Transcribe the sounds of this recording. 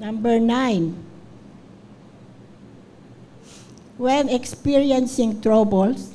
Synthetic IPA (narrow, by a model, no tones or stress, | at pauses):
nãmbɛɹnajn | wɛ̃nɛkspiɹiɛnsɪ̃ŋt̪ɹobɔls